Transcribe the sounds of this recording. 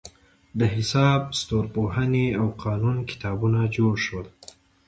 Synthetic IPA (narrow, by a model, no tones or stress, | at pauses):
d̪əɦɪsɑbst̪oɾpoɦaneawqʰɑnunkɪ̥t̪ɑbunad͡ʒoɽʃol